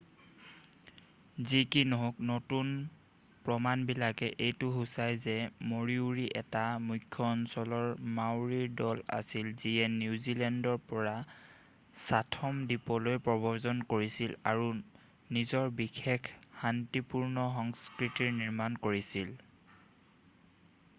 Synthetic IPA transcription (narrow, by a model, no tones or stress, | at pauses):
zikinoɦoknotun | pɹɔmanbilakɛʔejtʊɦusajzɛmoɹiuɹiʔɛtamukʰːjɔːnsɔlɔɹmawɹiɹdɔla̰silziɛnjuzilɛndɔɹpɔɹa | satʰɔmdipɔlojpɹɔbɔɹzɔnkoɹisila̰ɹu | nizɔɹbixʰekʰhantipuɹnɔxɔŋskɹitiɹniɹmankoɹisil